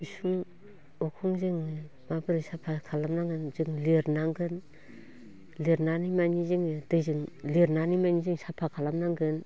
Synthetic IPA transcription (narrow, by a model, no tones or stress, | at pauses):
bisuŋ | ɔkʰɔŋzɯŋ | mabɯɾɯsapʰakʰalamnaŋɡɯnzɯŋleɾnaŋɡɯn | leɾnanimanizɯŋdɯzɯŋleɾnanimajnizɯŋsapʰakʰalamnaŋɡɯn